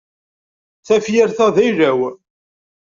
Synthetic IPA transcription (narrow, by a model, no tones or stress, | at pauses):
θæfjəɾθæðæjɾæw